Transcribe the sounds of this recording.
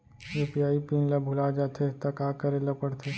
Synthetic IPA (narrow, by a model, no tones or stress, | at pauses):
ɾʊpjaːipĩːnlɐbʱʊlad͡ʒaːt̪ʰet̪ɐkaːkɐɾelɐpəɽt̪ʰeː